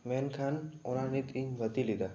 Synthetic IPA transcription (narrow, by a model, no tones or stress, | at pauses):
menkʰanʊnanit̪iɲʋət̪ilid̪a